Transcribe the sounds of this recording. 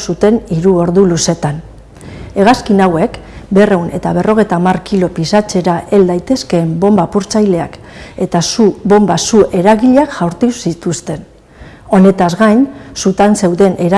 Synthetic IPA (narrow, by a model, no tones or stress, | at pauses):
sut̪e̞niɾuo̞ɾðuluse̞t̪an | e̞ɣ̞askinawe̞kbe̞re̞unʔe̞t̪aβ̞e̞ro̞ɣ̞e̞jt̪aːmarkilo̞pisat͡se̞ɾaʔe̞ld̪ajt̪e̞ske̞ːmbo̞mbapuɾt͡sajle̞ak | e̞t̪asuβo̞mbasuʔe̞ɾaɣiʎeakʝawɾt̪usit̪ust̪e̞n | o̞ne̞t̪azɣajnsut̪anse̞wðe̞nʔe̞ɾa